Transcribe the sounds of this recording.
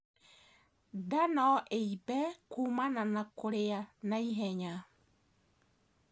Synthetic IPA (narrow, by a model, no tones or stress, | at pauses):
danɔʔeibɛkuːmananakoɾejanaiɦɛɲa